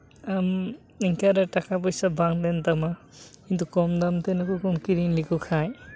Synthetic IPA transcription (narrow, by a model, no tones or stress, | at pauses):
am | iŋkʰaɾatakʰap̬ɔjsabaŋd̪ent̪ama | kint̪ukɔmd̪amt̪enakukɔmkiɾiŋlikukʰaj